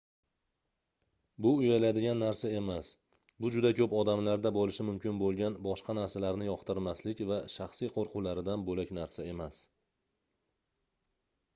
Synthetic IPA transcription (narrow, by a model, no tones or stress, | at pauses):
bʊʊjalad̪ɪɡʲanːaɾsae̞mas | bʊd͡ʒʊd̪akʰʲɵpɒd̪amlaɾd̪abɒlɪʃɪmʊmkʲɪnbolˠɡʲanbɒʃqɑnaɾsalaɾnɪjɒqt̪ɪɾmaslɪkʲvaʃaχsijqʰoɾqʰʊlaɾɪd̪anbolakʲnaɾsae̞mas